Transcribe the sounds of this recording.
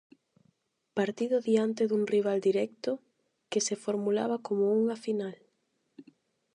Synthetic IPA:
paɾt̪iðʊðiant̪eðuŋriβ̞ald̪iɾɛk̚t̪ʊ | kesefoɾmula̰βakomouŋafinal

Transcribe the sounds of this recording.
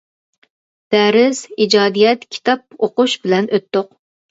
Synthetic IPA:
d̪̥æɾɪz̥id͡ʒɑːd̪ijɛt̪kʲʰi̥t̪ʰɑp̚oqʊʃbɪlɛnøt̪ːoq̚

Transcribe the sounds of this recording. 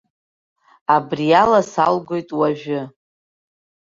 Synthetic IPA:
abrijalasalɡʷo̞jtʼwaʒᶣʊ

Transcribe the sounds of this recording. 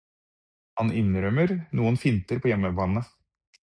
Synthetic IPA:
hɑnɪnɾœməɾnuːənfɪnt̪əɾpʰoːjɛmːəbɑːnə

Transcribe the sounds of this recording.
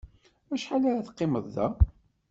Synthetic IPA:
æʃħalaɾaθə̥qːɪməðˤːæ̰

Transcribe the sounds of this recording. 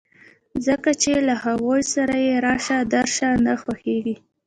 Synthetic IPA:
zəkat͡ʃelahawojsaɾajeɾɑʃad̪aɾʃanaxwaxeɡi

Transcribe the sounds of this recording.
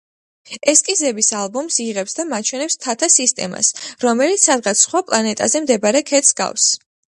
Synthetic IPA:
ɛskʼizɛbisalˠbɔmsiʁɛpsd̪amat͡ʃʰwɛnɛpst̪ʰat̪ʰasist̪ʼɛ̰ma̰sɾɔmɛlit̪ssad̪ʁat̪sχwapʼlˠanɛt̪ʼa̰zɛmd̪ɛbaɾɛkʰɛt̪sɡa̰fs

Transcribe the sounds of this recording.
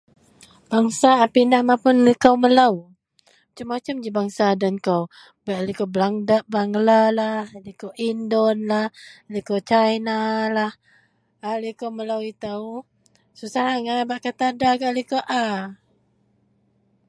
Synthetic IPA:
b̥aŋsaːpinahmapʊnlikawməlaw | at͡ʃamːat͡ʃamd͡ʒibaŋsadankaw | baʔalikowblaŋdablaŋɡlalahlikoʔindɔnlahlikowt͡ʃajnalah | alikawməlawit̪aw | susaɦaŋabaʔkat̪adaɡaʔlikoʔa

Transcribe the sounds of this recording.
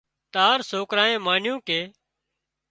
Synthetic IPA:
t̪aːɾsoːkɾaːẽːmaːnjũːkeː

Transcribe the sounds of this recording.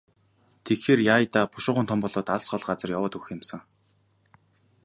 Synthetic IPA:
t̪ʰekxeːrjaːjt̪aːpʊʃʊ̆ʁʊːnt̪ʰɔmpɔɮɔːt̪aɮsɢɔɮɢat͡sə̆rjawʊːt̪uxɪ̆msə̆ŋ

